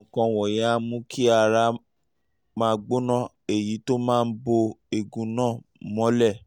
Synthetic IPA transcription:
kɔ̃˧wɔ˨jɛ˨˦a˦mũ˦kʰi˦a˧ɾa˧ | mãː˦˧ɡ͡bo˦nã˦˨ | e˨ji˨˦to˦mãː˦˧n̩˦bo˧e˨ɡũ˨nãː˦˨mɔ̃˨˦lɛ˦˨

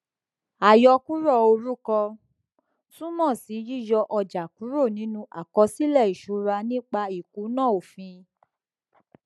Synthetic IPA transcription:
a˨jɔ˧˦ku˦ɾɔ˦˨o˧ɾu˦kɔ˧ | sũ˦mɔ̃˦˨si˨˦ji˦˨jɔ˧ʔɔ˧d͡ʒa˨ku˨˦ɾo˦˨nĩ˨˦nũ˦ʔa̰˨kɔ˧si˦lɛ˦˨i˨ʃu˨˧˦ɾa˧nĩ˦k͡pa˧i˨ku˨˦nãː˦˨o˨fĩ˧

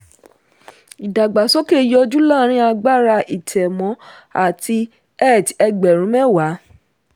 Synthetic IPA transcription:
i˨da˨ɡ͡ba˨sɔ˦ke˦˨˦jɔ˧d͡ʒu˦lãː˦˨ɾ̃ĩ˦a˧ɡ͡ba˦˨ɾa˧ʔi˨tɛ˨mɔ̃˨˦ | a˦˨ti˧ | ɛ˦˨tɛ˧ɡ͡bɛ˨ɾ̃ũ˨˦mɛ˦˨wa˨˦

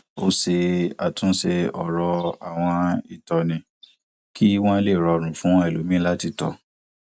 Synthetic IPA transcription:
o˦se˧a˨tũ˨˦se˧ɔ˨ɾɔ˧a˨w̃ɔ̃˧i˦˨tɔ˧nĩ˧ | ki˦w̃ɔ̃˦le˦˨ɾɔ˧ɾ̃ũ˨˦fũ˦ɛ˦˨lo˨˦mĩ˦la˦ti˧tɔ̰˨

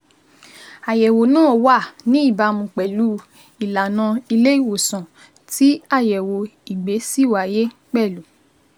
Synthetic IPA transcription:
a˨jɛ˨wo˨nũ˦ɔ˧˨wa˦˨nĩ˨˦i˦˨ba˧˦mũ˧k͡pɛ˨lu˨˦ | i˨la˨nã˧i˧le˦i˦˨wo˨sã˨ | ti˨˦a˦˨jɛ˨wo˧i˨ɡ͡be˨˦si˦˨wa˨je˦k͡pɛ˦˨lu˨

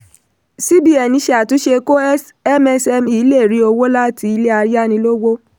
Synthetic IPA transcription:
si˦bi˦ɛ˨nĩ˧˦ʃe˧a˨tũ˨˦ʃe˧ko˦s | ɛ˦mɛ˧sɛ˧mi˨˦le˦˨ɾi˨˦o˧wo˦la˦ti˧i˧˦le˦a˧ɾja˦nĩ˧lo˦wo˦

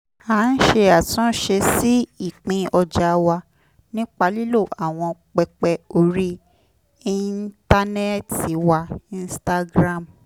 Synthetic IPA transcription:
aː˨˦n̩˦ʃe˧a˨tɔ̃˦ʃe˧si˦i˦˨k͡pĩ˧ɔ˧d͡ʒa˧wa˧ | nĩ˦k͡pa˧li˦lo˦˨ʔa˨w̃ɔ̃˧k͡pɛ˧k͡pɛ˧o˧ɾi˦ | i˦nta˦nɛ˦˨ti˨˦wa˧ĩ˧n˦sta˧ɡɾã˦˨m

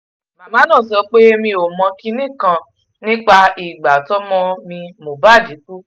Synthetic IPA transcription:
ma˨mãː˨˦nã˦˨sɔ˧˦k͡pe˦mĩ˧o˨mɔ̃˧ki˦nĩ˦kã˧ | nĩ˦k͡pa˧i˨ɡ͡ba˨tɔ˦mɔ̃˧mĩ˧mo˨ba˦˨d͡ʒi˨˦ku˦

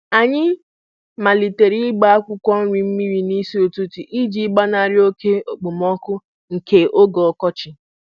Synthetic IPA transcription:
a˨ɲɪ˦ | ma˨li˨te˨ɾi˦ɡ͡ba˦a˦kʷʊ˦kʷɔ˦n̩˦ɾi˨m̩˦mi˦ɾi˦ni˦si˦o˨tu˦ti˨ʔi˦d͡ʒi˦ɡ͡ba˦na˨ɾɪ˦o˦ke˦o˨ɡ͡bo˨mɔ˦kʊ˦ | ŋ̩˨ke˨ʔo˦ɡɔ˨kɔ˦t͡ʃɪ˨

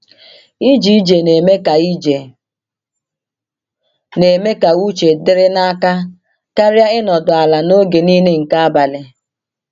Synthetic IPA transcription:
i˦d͡ʒi˨˦d͡ʒe˨ne˨me˦ka˨i˦d͡ʒe˨ | ne˨me˦ka˨u˦t͡ʃe˨dɪ˦ɾɪ˦na˦ka˦ | ka˦ɾa˦ɪ˦nɔ˨dʊ˨a˨la˨no˦ɡe˨niː˦ne˦ŋ̩˨ka˦a˦ba˨lɪ˨

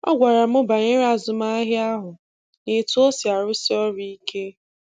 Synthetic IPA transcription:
ɔ̰˦ɡʷa˨ɾa˨mʊ˦ba˨ɲɪ˦ɾa˦˨zʊ˨ma˦ɦɪ˦a˦ɦʊ˨ | nɪ˨tu˦o˦si˨a˨ɾʊ˦si˦ɔ˦ɾi˦i˦ke˦

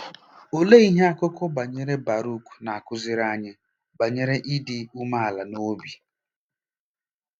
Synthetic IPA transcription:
o˨le˦i˦ɦe˦a˦kʊ˦kɔ˦ba˨ɲe˦ɾe˦ba˨ɾu˦ku̥˨na˨a˨kʊ˦zɪ˦ɾa˦ɲe˦ | ba˨ɲe˦ɾe˦ʔi˦dɪ˦˨u˦ma˦a˨la˨no˦bi˨

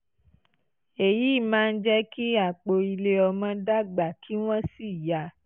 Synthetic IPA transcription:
e˨ji˨˦˨mãː˦˧n̩˦d͡ʒɛ˦ki˦a˦˨k͡po˧i˧le˧ɔ˧mɔ̃˧da˦˨ɡ͡ba˨kʰi˦w̃ɔ̃˦si˦˨ja˧˦

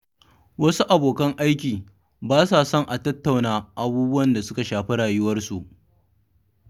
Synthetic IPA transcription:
wɐ˦su˦ʔa˨boː˨kɐ˦ŋʔa˦jkʲiː˨ | baː˦saː˨sɔ˦˨ŋʔa˨tɐ˦tːa˨wnaː˦ʔa˨buː˦bʊ˦wɐ˨nda˨sʊ˦ka˨ʃaː˨ɸɪ˦ɽaː˨jʊ˦wɐ˦rsu˨ʔ

